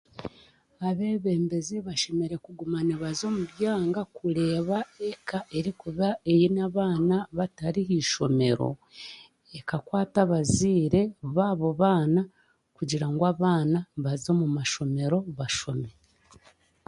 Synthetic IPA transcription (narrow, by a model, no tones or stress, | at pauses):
aβe̞ːβe̞ːmbe̞zeβaʃe̞me̞ɾe̞kuɡumaneβazo̞ːmuβjaːŋɡakule̞ːβaekaʔe̞ɾikuβaejinaβaːnaβataɾiɦiːʃo̞me̞ɾo̞̰ | ekakwaːtaβaziːɾe̞βaːβo̞βaːna | kuɟiɾaŋɡwaːβaːnaβazo̞mumaʃo̞me̞ɾo̞βaʃo̞me̞